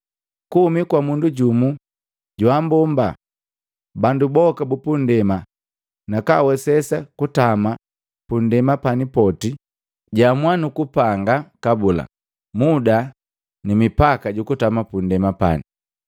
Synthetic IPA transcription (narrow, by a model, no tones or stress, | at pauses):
kuhumikwamunduɟumu | ɟwambɔmba | bandubɔkabupundɛma | nakawɛsɛsakutama | pundɛmapanipɔti | ɟamwanukupaŋɡakabula̰ | muda | nimipakaɟukutamapundɛmapa̰ni